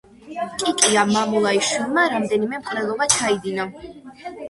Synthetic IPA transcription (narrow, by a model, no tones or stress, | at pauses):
kʼikʼiamamulˠaiʃwilˠmaɾamd̪ɛnimɛmqʼɾɛlˠɔbat͡ʃʰaid̪ina